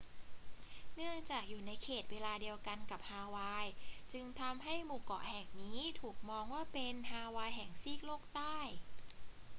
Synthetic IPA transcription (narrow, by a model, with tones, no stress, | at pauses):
nɯ˥˩əŋt͡ɕaː˨˩k̚juː˨˩na˧jkʰeː˨˩t̪̚weː˧laː˧di˧əwka˧nka˨˩p̚haː˧waː˧jt͡ɕɯ˧ŋt̪ʰa˧mɦa˥˩jmuː˨˩kɔ̰˨˩ʔhɛ˨˩ŋniː˦˥t̪ʰuː˨˩k̚mɔː˧ŋwaː˥˩pe˧nɦaː˧waː˧jɦɛ˨˩ŋsiː˥˩k̚loː˥˩k̚t̪aː˥˩j